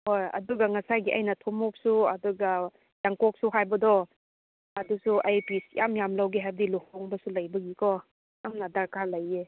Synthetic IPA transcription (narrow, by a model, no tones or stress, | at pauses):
hojɐ̰duɡɐŋɐsajɡiʔɐjnɐtʰomɔk̚suɐduɡa | jaŋkɔk̚suɦajbɐdɔ | ɐdusuʔajpisjʔamjamlawɡiɦajbdiluhɔŋbɐsulɐjbɐɡikɔ | amnɐdaɾkalɐje